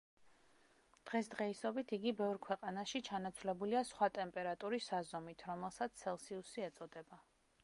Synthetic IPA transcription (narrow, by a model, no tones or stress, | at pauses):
d̪̥ʁɛsd̪̥ʁɛisɔbit̪ʰiɡibɛvɾkʰwɛqʼanaʃit͡ʃʰanat̪sʰvlɛbuliasχwat̪ʼɛmpʼɛɾat̪ʼuɾisazɔmit̪ʰɾɔmɛlˠsat̪sʰɛlˠsiusiɛt̪sʼɔd̪ɛba